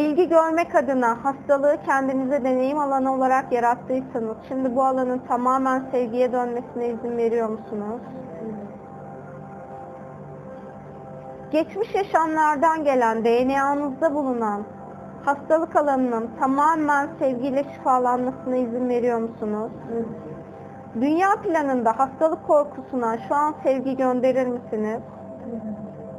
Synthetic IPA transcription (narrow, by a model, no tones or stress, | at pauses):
bilʲɟiɟøɾmɛkʰad̪ɯnahast̪ʰalˠɯɯcʰɛnd̪inizɛd̪e̞ne̞jimalˠanɯo̞lˠaɾakjaɾat̪ʰːɯjsɯnɯz̥ʃimd̪ibualˠanɯnt̪ʰamaːmænsɛvɟijɛd̪ønme̞sinɛizinve̞ɾijo̞ɾmusunuz̥ | ɟ̥ɛt͡ʃmiʃjaʃamlˠaɾd̪anɟe̞lʲænd̪e̞jenejanɯzd̪abulˠunan | hast̪ʰalˠɯkalˠanɯnɯnt̪ʰamaːmænsɛvɟilʲɛʃi̥faːlˠanmasɯnaizinve̞ɾijo̞ɾmusunuz̥ | d̪ynjaːplʲanɯnd̪ahast̪ʰalˠɯkʰːo̞ɾkʰusunaʃuansɛvɟiɟønd̪e̞ɾiɾmisiniz̥